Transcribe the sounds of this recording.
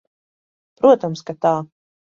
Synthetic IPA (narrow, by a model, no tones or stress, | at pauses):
pɾuɔt̪amskat̪aː